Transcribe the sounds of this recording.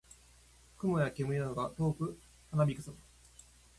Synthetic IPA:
kɯ̟mojakemɯ̟inanoɡat̪o̞ːkɯ̟ | hanabʲikɯ̟sam

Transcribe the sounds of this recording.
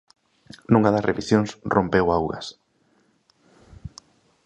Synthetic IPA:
nũŋaðɐsreβisjoŋsrompewawɣɐ̰s

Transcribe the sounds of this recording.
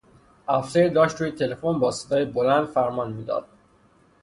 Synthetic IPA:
ʔæfseɾd̪ɒːʃt̪ɾuːjet̪ʰe̞lefonbɒːse̥d̪ɒːjebolænd̪fæɾmɒːnmiːd̪ɒ̰ːd̪̥̚

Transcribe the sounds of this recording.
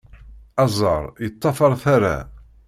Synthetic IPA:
æzˤəɾˤjət̪ˤːɑfəɾˤθaɾa̰

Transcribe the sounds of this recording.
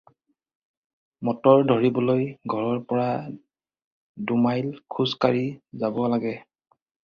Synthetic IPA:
mɔtɔɹdʱoɹibɔlojɡʱɔɹɔɹpɔɹa | dumajlkʰuzkaɹizabɔlaɡɛ

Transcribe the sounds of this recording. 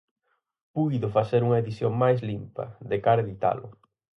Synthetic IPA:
pujðʊfaseɾuŋɐeðisjoŋmajs̬limpɐ̰ðekaɾeðit̪a̰lʊ̰

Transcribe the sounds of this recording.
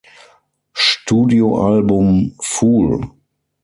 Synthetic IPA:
ʃtuːdioʔalbʊmfuːl

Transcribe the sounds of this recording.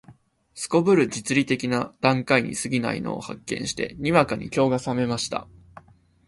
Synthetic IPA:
sɨ̥ko̞bɯ̟ɾɯ̟d͡ʑit͡sɨɾʲit̪e̞kʲinad̪̥ãŋkaiɲ̟ḭsɨɡʲina̰ḭno̰ːha̰kːẽ̞̰ɰ̃ɕi̥t̪e̞̰ɲ̟iβakaɲ̟ḭkʲo̞ːɡasame̞maɕi̥t̪a̰

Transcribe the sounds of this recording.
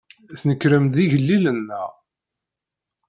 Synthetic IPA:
θnəkːɾəmd̪iʝəlːilənːæ̰

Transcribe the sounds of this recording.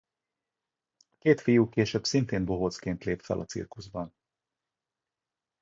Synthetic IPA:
ɒkeːt̪fijuːkeːʃøbsint̪eːnboɦoːt̪skeːnt̪leːt̪fɛ̰lʔɒ̰t̪sḭrkuzbɒn

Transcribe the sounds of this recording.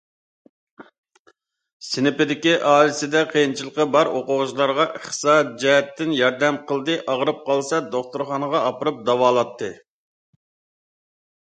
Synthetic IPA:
sɪnɪpɪd̪ɪkʲiʔɑːlɪsɪd̪ɛqʰəjint͡ʃʰilˠəqəbɑɾoqʊʁʊʒlˠɑɾʁɑʔeχsɑd͡ʒɛɦɛt̪ːɪnjɑɾd̪ɛmqʰəlˠd̪ɨʔɑʁəɾɨp̚qʰɑlˠsɑd̪oχt̪uɾχɑnəʁɑɑpɨɾɨp̚d̪ɑwɑːlˠɑt̪ʰːɨ

